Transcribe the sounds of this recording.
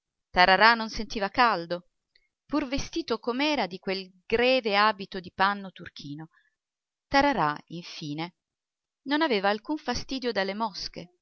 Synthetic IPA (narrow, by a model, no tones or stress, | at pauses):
t̪aɾaɾanonsent̪iːvakald̪o | purvest̪iːt̪okomɛːɾad̪ikwelɡɾɛːveaːbit̪od̪ipanːot̪urk̟ʰiːno | t̪aɾaɾaiɱfiːne | nonaveːvaːlkuɱfast̪iːd̪jod̪alːemɔske